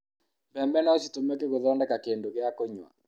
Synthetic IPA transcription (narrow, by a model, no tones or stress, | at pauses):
bɛmbɛnɔt͡ʃitomekeɣoðɔndɛkakendokeakoɲa̰